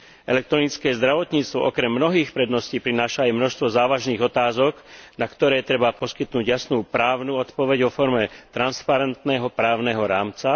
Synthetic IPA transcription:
ɛ̰lɛk̚t̪ɾɔnit͡skɛːzd̪ɾaʋɔt̪ɲiːt͡st̪ʋɔ̰ʔɔkɾɛmːnɔɦiːxpɾɛd̪nɔsciːpɾinaːʃaːjmnɔʃst̪ʋɔzaːʋaʒniːɣɔt̪aːzɔknakt̪ɔɾɛːt̪ɾɛbapɔskit̪nuːɟjasnuːpɾaːʊnuːɔt̪pɔʋɛɟʋɔfɔɾmɛt̪ɾanspaɾɛnt̪nɛɦɔpɾaːʊnɛɦɔɾaːmt͡sa

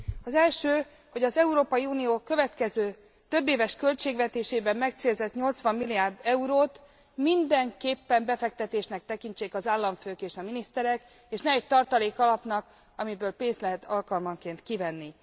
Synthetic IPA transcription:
ɒzɛlʃøː | ho̞ɟɒzɛuɾoːpɒjiuːnijoːkø̞vɛt̪kɛzøː | t̪ø̞bːeːvɛʃkø̞lt͡ʃeːɡvɛt̪eːʃeːbɛmːmɛk̚t̪seːlzɛt̪ɲo̞lt̪sʋɒmːilːiaːrd̪ɛuɾoːt̪ | mind̪ɛŋkeːpːɛmbɛfɛk̚t̪ɛt̪eːʃnɛk̚t̪ɛkint͡ʃeːkɒzaːlːɒɱføːkeːʃɒminist̪ɛɾɛk | eːʃnɛɛc̚t̪ɒrt̪ɒleːkɒlɒpnɒk | ɒmibøːlpeːnst̪lɛɦɛt̪ʰɒlkɒlmɒŋkeːnt̪kivɛnːi

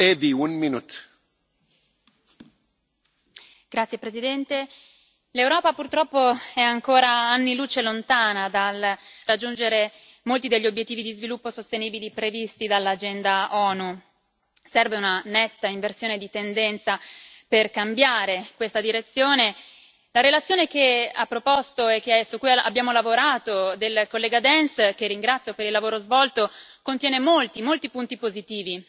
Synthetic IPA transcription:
eviunminut̪ | ɡ̥ɾat̪sjepɾezid̪ɛnt̪e | lewɾɔːpapurt̪ɾɔpːoɛaŋkoːɾaanːiluːt͡ʃelont̪aːnad̪alrad͡ʒːund͡ʒeɾe | molt̪id̪eʎːiobjet̪ːiːvid̪izvilupːosost̪eniːbilipɾevist̪id̪alːad͡ʒɛnd̪aʔɔːnu | sɛrveunanɛt̪ːaiɱversjoːned̪it̪end̪ɛnt̪sa | perkambjaːɾekwest̪ad̪iɾet̪sːjoːne | laɾelat̪sːjoːnekeapːɾopost̪oekːeaesukːujaa̰bjaːmolavoɾaːt̪od̪elkolːɛːɡad̪ɛnskerːiŋɡɾat̪sːjopeɾilːavoːɾozvɔlt̪okont̪jɛːnemolt̪imolt̪ipunt̪ipozit̪iːvi

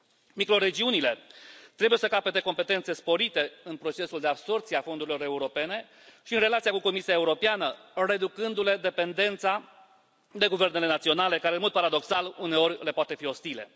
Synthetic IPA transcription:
mikɾo̞ɾe̞d͡ʒiunile̞t̪ɾe̞buje̞səkapet̪e̞ko̞mpe̞t̪e̞nt̪se̞spo̞ɾit̪e̞ɨnpɾo̞t͡ʃe̞suld̪eabso̞rt̪siafond̪uɾilo̞ɾe̞uɾo̞pe̞ne̞ | ʃiɨnrelat̪sijakuko̞misiae̞uɾo̞peanəre̞d̪ukɨnd̪ule̞d̪e̞pe̞nd̪e̞nt̪sa | d̪e̞ɡuve̞rne̞le̞nat̪sio̞nale̞kaɾenmo̞d̪̚paɾad̪o̞ksalune̞o̞ɾʲle̞poat̪e̞fio̞st̪ile̞̰

